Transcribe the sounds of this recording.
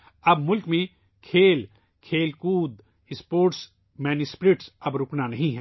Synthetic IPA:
ɐbmʊlkmẽ | kʰeːl | kʰeːlkuːd̪ | ɪspoːɾʈs | mɛːnjʊspɾeːʈsɐbɾʊknanɐɦĩɦɛ̃ː

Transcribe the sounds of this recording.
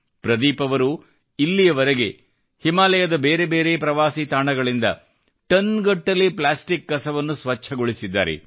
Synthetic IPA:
pɾɐd̪iːpɐʋɐɾu | ilːijɐʋɐɾeɡe̞ | himaːlɛjɐd̪ɐbeːɾe̞beːɾe̞pɾɐʋaːsit̪aːɳɐɡɐɭind̪ɐ̰ | ʈɐnɡɐʈːɐlːiplaːsʈikːɐsɐʋɐnːusʋɐt͡ʃʰːɐɡoɭisid̪ːa̰ːɾḛ

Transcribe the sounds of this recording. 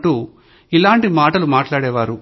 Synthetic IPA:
ʈu | ilaːɳʈimaːʈɐlumaːʈlaːɽɛːʋaːɾu

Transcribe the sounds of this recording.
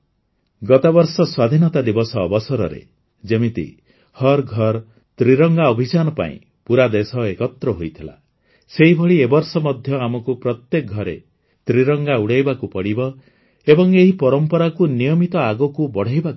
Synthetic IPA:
ɡɔt̪abɔɾsɔswad̪ʱinɔt̪ad̪ibɔsɔːbɔsɔɾɔ̰ɾḛ | d͡ʒemit̪ḭ | hɔɾɡʱɔɾ | t̪ɾiɾɔŋɡaɔbʱid͡ʒanɔpa̰ḭ̃ | puɾad̪esɔekɔt̪ɾɔɦojt̪ʰila̰ | seɦibʱɔɭiebɔɾsɔmɔd̪ʱjɔamɔkupɾɔt̪jek̚ɡʱɔɾḛ | t̪ɾiɾɔŋɡauɽajbakupɔɽibɔ | ebɔŋeɦipɔɾɔmpɔɾakunijɔmit̪ɔaɡɔkubɔɽ̤ajbaku

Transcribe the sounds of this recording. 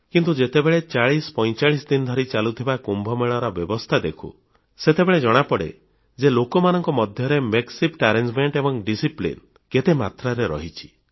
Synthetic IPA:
kint̪ud͡ʒet̪ebeɭet͡ʃaɭispɔjt͡ʃaɭisd̪ind̪ʱɔɾit͡ʃalut̪ʰibakumbʱɔmeɭɔɾɔbjɔbɔst̪ʰad̪ekʰṵ | set̪ebeɭed͡ʒɔɽ̃apɔɽḛ | d͡ʒelokɔmanɔŋkɔmɔd̪ʱjɔɾemeksipʈaɾend͡ʒmeɳʈebɔŋɖisiplḭn | ket̪emat̪ɾaɾeɾɔ̰ɦit͡ʃʰi̥

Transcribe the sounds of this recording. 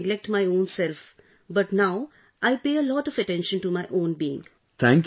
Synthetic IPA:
ɡlɛk̚ʈmaɪõːnsɛlf | bʌʈnaʊ | ʔaɪpeːəlɔːʈɔʋəʈɛ̃nʃə̃nʈumaɪʔõːnbiːɪ̰̃ŋ | t̪ʰæ̃ŋk

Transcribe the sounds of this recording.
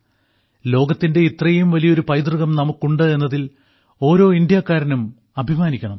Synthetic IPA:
lo̞ːɡɐt̪ːinde̞it̪rɐjumʋɐlijɐoɾupɐjd̪rɨɣɐmnɐmukːuɳɖɨe̞nːɐðil | o̞ːɾo̞ːind̪jaːkːaːɾɐnum | ɐbʱimaːnikʲːɐɳɐm

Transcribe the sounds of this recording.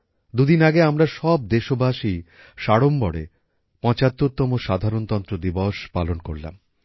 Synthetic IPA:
d̪ud̪inaɡeamɾaʃɔb̚d̪eʃobʱaʃi | ʃaɽombɔɽḛ | pɔ̃t͡ɕat̪ːoɾt̪ːɔmoʃad̪ʱaɾont̪ɔnt̪ɾod̪ibɔʃpalonkoɾla̰m

